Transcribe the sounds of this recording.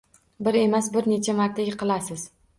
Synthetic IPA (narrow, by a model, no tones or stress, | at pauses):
bɪɾe̞masbɪɾne̞t͡ʃʰamaɾt̪ʰaɡʲɪqʰɨlˠasɪz̥